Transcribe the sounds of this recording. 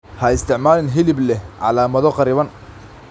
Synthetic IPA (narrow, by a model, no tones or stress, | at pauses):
hɐɪst̪ʰɪʕmaːlɪnɦɪlɪblɛhʕɑ̰laːmɐðɔqɑɾɪβɐn